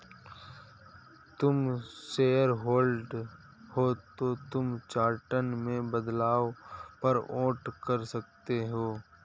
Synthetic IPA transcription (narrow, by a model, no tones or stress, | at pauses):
t̪ʊmseːəɾɦoːlɖ | hot̪ot̪ʊmt͡ʃaːɾʈənmẽbəd̪laːʋpɐɾõːʈkɐɾsɐk̚t̪eɦoː